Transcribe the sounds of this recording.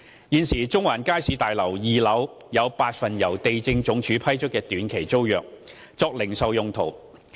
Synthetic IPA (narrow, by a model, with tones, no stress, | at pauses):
jiː˨˧nsiː˨˩t͡sʊ˥ŋwaː˨˩nkaː˥jsiː˨˧t̪aː˨˩jlɐ˨˩wjiː˨˧lɐ˨˥w | jɐ˨˧wpaː˧t̚fɐ˨njɐ˨˩wt̪e˨jt͡sɪ˧ŋt͡sʊ˨˥ŋt͡ʃʰyː˨˧pʰɐ˥jt͡ʃʊ˥k̚ːɛː˧t̪yː˨˥nkʰe˨˩jt͡so˥wjœː˨k̚ | t͡sɔː˧k̚lɪ˨˩ŋsɐ˨wjʊ˨˧ŋt̪ʰo˨˩w